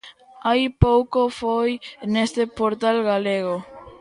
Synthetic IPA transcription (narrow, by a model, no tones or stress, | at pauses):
ajpowkofojnest̪epoɾt̪alɣaleɣ̞o